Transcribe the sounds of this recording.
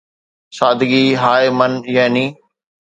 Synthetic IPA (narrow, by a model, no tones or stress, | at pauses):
saːd̪ʱɡiːɦaːemənjãːnĩː